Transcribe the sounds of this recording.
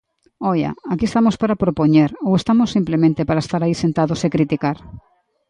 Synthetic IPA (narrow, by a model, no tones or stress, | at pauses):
ɔja̰akiest̪amospaɾapɾopoɲeɾowest̪amosːimplemẽnt̪epaɾaest̪aɾaisent̪aðosekɾit̪ikaɾ